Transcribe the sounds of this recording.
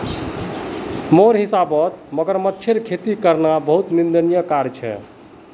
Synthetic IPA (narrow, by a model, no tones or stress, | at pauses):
moɾɦisabət̪məɡəɾmətːʃʰeɾkʰet̪ikəɾnabəɦut̪nind̪ənijəkaɾt͡ʃʰɛ̰